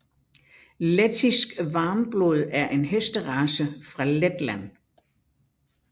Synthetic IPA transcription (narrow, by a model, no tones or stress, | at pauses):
let͡sʰisɡ̥ʋɑ̈ːmb̥loð̞ˠæɐʔe̝nɦesd̥əʁɑ̈səfʁɑ̈led̥læn